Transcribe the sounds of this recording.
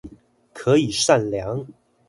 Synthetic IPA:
kʰɤ˧˥i˨˩ʂa˥˩nljɑ˧˥ŋ

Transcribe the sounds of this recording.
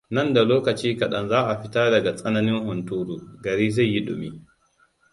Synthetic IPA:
nɐ˦˨nda˨loː˦kɐ˨t͡ʃiː˦kɐ˨ɗɐ˦nzaː˦ʔa˨ɸɪ˦taː˦dɐ˨ɡa˨sʼɐ˦nɐ˦nɪ˦ŋhʊ˨ntuː˦ɾuː˨ɡɐ˨ɾiː˦ze˦˨jːi˦ɗʊ̰˨mi˦

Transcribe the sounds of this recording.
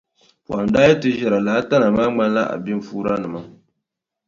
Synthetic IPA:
pwa˨n˦daː˦jɛ˦tɨ˦ʒɛ˨ɾa˨la˨˦a˦ta˦na˨maː˦ŋ͡ma˦n˦la˦ʔa̰˨bi˦ɱ̩˨fuː˦ɾa˦nɨ˨ma˦

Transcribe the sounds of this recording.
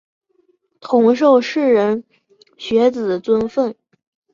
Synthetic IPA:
t̪ʰʊ˧˥ŋʂ̬o˥˧ʊʂɻ̩˥˩ɻə˧˥n | ɕɥɛ˧˥t͡sɹ̩˨˩t͡swə˥nfə˥˩n

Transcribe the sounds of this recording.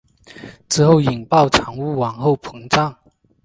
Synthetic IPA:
t͡sʰɹ̩˥˧xo˥˩ʊi˨˩ŋpɑ˥˩ʊʈ͡ʂʰɑ˧˥ŋu˥wɑ˨˩ŋxo˥˩ʊpʰɤ˧˥ŋʈ͡ʂɑ˥˩ŋ

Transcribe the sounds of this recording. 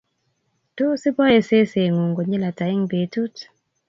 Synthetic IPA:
to˦si˦pɔ˦je˨se˦se˨ŋu˨ŋɡo˨ɲi˦la˨ta˨ɪ˦ŋbe˨tu˦t

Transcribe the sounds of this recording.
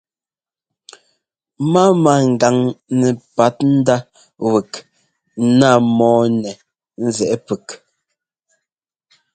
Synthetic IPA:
ma˦ma˨ŋ̩˨ɡa˨ŋnɛ˨pa˨˦t̚n̩˦da˦ | wə˨k | na˦mɔː˦nɛ˨ | n̩˦zɛ˨ʔɛ˦pə˨k

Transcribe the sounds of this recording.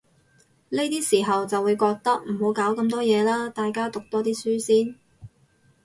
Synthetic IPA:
le˥jt̪iː˥siː˨˩ɦɐ˨wt͡sɐ˨wuː˨˧jkɔː˧k̚t̪ɐ˥k̚m̩˨˩ho˨˧wkaː˨˥wkɐ˧mt̪ɔː˥jɛː˨˧laː˥t̪aː˨jkaː˥t̪ʊ˨k̚t̪ɔː˥t̪iː˥syː˥siː˥n

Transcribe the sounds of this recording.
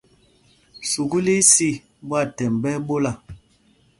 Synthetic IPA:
su˨ɡu˦li˦si˦˨ | bwa˦˨tɛ˨mbɛ˦ɓo˦la˨

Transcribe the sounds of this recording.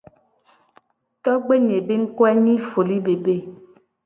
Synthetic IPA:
tɔ˦ɡ͡be˦ɲe˨be˦ŋ̩˦kwɛ˦ɲĩ˦fo˨li˦be˨be˦˨

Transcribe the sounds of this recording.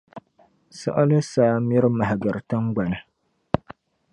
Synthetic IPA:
sa̰˦ʔa˦lɨ˦saː˦mi˦ɾɨ˦ma˨ɦa˨ɡɨ˨ɾɨ˨tɨ˦ŋɡ͡ba˨nɨ˨

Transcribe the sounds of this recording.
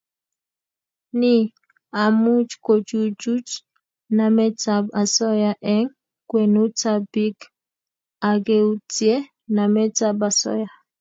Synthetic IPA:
ni˦ | a˨mu˦t͡ʃko˨d͡ʒu˦d͡ʒu˦t͡ʃ | na˨mɛ˦t͡sa˨ba˨sɔ˦ja˨ʔɛ˦ŋ | kwe˨nu˦t͡sa˦bi˦k | a˨ɡe˦u˦t͡sje˦ | na˨mɛ˦t͡sa˦ba˨sɔ̰˦ja˨

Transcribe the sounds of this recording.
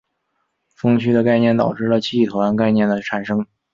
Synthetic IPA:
fɤ˥ŋt͡ɕʰy˥d̪ə˨ka˥˧ɪnjɛ˥˩nt̪ɑ˨˩ʊʈ͡ʂɻ̩˥˩ə˩t͡ɕʰi˥˩i˥˩t̪ʰo˧˥ʊa˧˥nka˥˧ɪnjɛ˥˩nd̪ə˩ʈ͡ʂʰa˨˩nʂɤ˥ŋ

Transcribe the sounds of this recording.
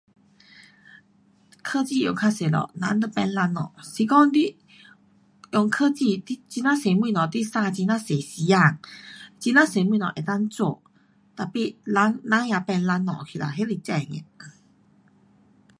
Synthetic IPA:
kʰə˥˧t͡ɕi˥˧˨jɔ̰˨˩ŋkʰa˧se˨˩lɔ̰˨nã˧˦nd̪ə˧˦pɛ˧nla˧˥nːɔ̰˨˩si˧kɔ˥˦ŋdi˦ | jɔ˨˩ŋkʰə˥˧t͡ɕi˥˧˨i˦t͡ɕi˧nã˦se˨˩mwĩ˧˨nɔ˨t̪i˦sa˧t͡ɕi˧nã˦˥se˨˩si˨˧˦a˧˨ŋt͡ɕi˧nã˦se˨˩mwĩ˧˨nɔ̰˨ʔe˨˩t̪a˥˧ŋt͡so˧˨ | t̪a˨˩pi˧la˧˦ŋnã˧˦ja˧pɛ˧nla˧˦nːɔ̰˨kʰi˨la̰˨˩ɦe˦li˧˩t͡ɕa˥˧˨ŋɛ̰̃˨˩˨

